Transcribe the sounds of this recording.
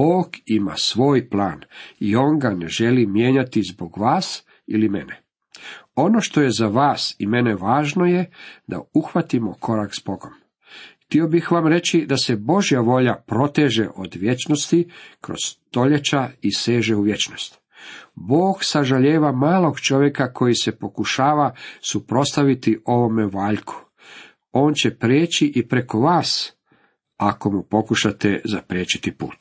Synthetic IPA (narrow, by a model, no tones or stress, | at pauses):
b̥oːɡima̰sʋo̞ːjpla̰ːnio̞ŋɡaneʒe̞limjeːɲat̪izboɡʋaːs | ilimḛne | o̞no̞ʃt̪o̞jezaʋaːsime̞neʋaːʒno̞jed̪a̰uxʋat̪imokʰo̞ɾakzbo̞ɡo̞m | xt̪io̞bixʋamɾe̞t͡ɕid̪asebo̞ʒjaʋo̞ʎapɾo̞t̪eːʒḛʔo̞d̪ʋje̞t͡ʃnost̪ikɾo̞̰z̥t̪o̞ʎet͡ʃaise̞ːʒeuʋje̞t͡ʃno̞st̪ | bo̞ːɡsaʒaʎeːʋamaːlˠo̞ɡt͡ʃo̞ʋje̞kakʰo̞jisepo̞kuʃaːʋasupɾo̞st̪aʋit̪iʔo̞ʋo̞meʋaːʎkʰu̥ | o̞ːnt͡ɕe̞pɾeːt͡ɕiʔipɾe̞ko̞ʋaːs | ako̞mupo̞kuʃat̪ezapɾjeːt͡ɕi̥t̪ipṵːt̪